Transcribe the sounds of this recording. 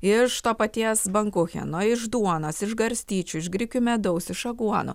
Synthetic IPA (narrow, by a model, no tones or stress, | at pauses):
ɪʃt̪oːpɐt̪ʲiɛsbɐŋkʊxʲɛ̰noɪʒd̪uɔnoːsɪʒɡɐɾʲsʲt̪ʲiːt͡ʃʲʊɪʒɡɾʲɪkʲʊmʲɛd̪ɐʊsɪʃɐɡuɔnʊ̰